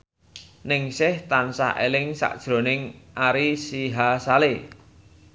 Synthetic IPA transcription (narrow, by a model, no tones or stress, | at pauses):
nɪŋsɪht̪ansa̰ʔelɪŋsa̰ʔd̥ʒ̥ɾo̤nɪŋʔaɾisiɦasale